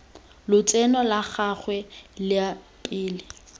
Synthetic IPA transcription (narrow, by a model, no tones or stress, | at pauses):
lʊt͡sʼɛnɔlaχaχwɛlɪa | pʼɪːlɪ